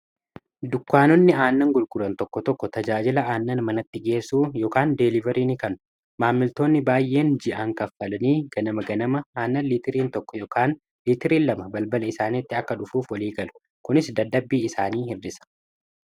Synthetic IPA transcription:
d̪ʊkːaːnɔnːɪaːnːɐŋɡʊlɡʊɾɐnt̪ɔkːɔt̪ɔkːɔt̪ɐd͡ʒaːd͡ʒɪlɐʔaːnːɐnmɐnɐt̪ːɪɡe̞ːsːuːjoːkaːnd̪ɛlɪvɐɾiːnɪkɐnʊ | maːmːɪlt̪o̞ːnːɪbaːjːʔe̞ːnd͡ʒɪʔaŋkɐfːɐlɐniːɡɐnɐmɐɡɐnɐmɐaːnːɐnliːt̪ɪɾiːnt̪ɔkːɔjoːkaːn | liːt̪ɪɾiːnlɐmɐbɐlbɐlɐɪsaːnɪt̪ːɪɐkːɐᶑʊfuːfwɐliːɡɐlʊ̥ | kʊnɪsd̪ɐd̪ːɐbːiːɪsaːniːhɪrːɪsɐ̥

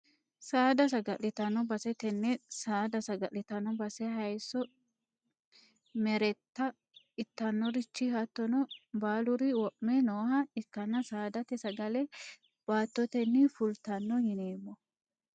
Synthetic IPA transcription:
saːd̪ɐs̬ɐɡɐlɪt̪ɐnːɔbɐsɛt̪ɛnːɛsaːd̪ɐsɐɡɐʔɪt̪ɐnɔbɐsɛɦɐjsːɔ | mɛɾɛt̪ːɐ | ɪt̪ːɐnːɔɾɪt͡ʃːɪhɐt̪ːɔnɔbaːlʊɾɪwɔʔmɛnoːhɐɪkːɐnːɐsaːd̪ɐt̪ɛsɐɡɐlɛ | b̥aːt̪ːɔt̪ɛnːɪfʊlt̪ɐnːɔhɪneːmːɔ

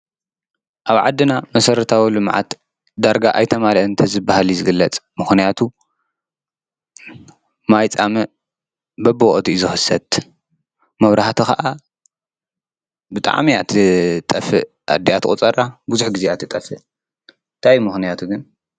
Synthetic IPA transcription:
ʔaβʕa̰d̪ːɨnamɐsɐɾɐt̪ʰawilɨmʕa̰t̪ | d̪aɾɡaʔajt̪ʰɐmaɾʔɨnt̪ʰɐzɨbahalizɨɡɨlːɐt͡sʼmɨxnijat̪ʰu | majt͡sʼamɨ | bɐboɔʔʼt̪ʰizɨxɨsɐt̪ | mɐβɾahat̪ʰixɐʔa | bɨt̪ʼa̰ʕmiat̪ʰit̪ʼɐfɨ | ʔa̰d̪ijat̪ʰɨkʼut͡sʼɐɾʔabuzuħɡizeat̪ʰɨt̪ʼɐfɨ | nt̪ʰajmɨxnijat̪ʰuɡɨn

